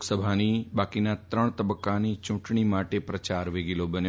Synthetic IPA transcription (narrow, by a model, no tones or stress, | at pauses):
ksəbʱanibaːkinat̪ɾəɳ̃t̪əbəkːanit͡ʃʊ̃ʈɳ̃imaʈepɾət͡ʃaɾʋeɡilobənj